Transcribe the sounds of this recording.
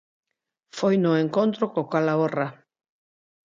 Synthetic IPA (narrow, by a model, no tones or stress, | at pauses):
fojnʊeŋkont̪ɾokokalaora